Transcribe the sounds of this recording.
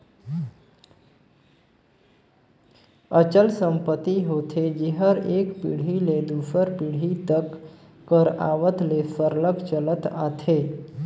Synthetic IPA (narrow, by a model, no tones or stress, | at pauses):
ət͡ʃəlsə̃mpət̪iɦot̪ʰed͡ʒeɦəɾeːkpḭɽ̤iled̪ufəɾpiɽ̤it̪əkː | əɾa̰ʋət̪lefəɾləkt͡ʃələt̪a̰t̪ʰe